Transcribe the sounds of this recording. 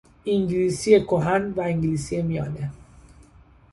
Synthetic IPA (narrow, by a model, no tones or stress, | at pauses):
iŋɡlisiekoɦanvaiŋɡlisiemiɑ̰de